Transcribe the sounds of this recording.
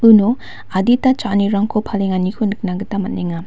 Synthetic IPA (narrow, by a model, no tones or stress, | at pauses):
ɯno | aditat͡ʃaniɾaŋkʰopʰaleŋanikʰunɯk̚naɡɯtamat̚neŋa